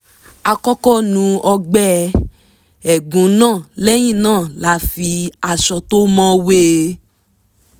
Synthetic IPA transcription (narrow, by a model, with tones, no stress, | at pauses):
a˧kɔ˦kɔ˦nũ˨˦ɔ˧ɡ͡bɛ˦ | ɛ˨ɡũ˨˦nãː˦˨lɛ˦j̃ĩ˦˨nãː˦˨la˨˦fi˧a˧ʃɔ˧to˦mɔ̃˦we˦˧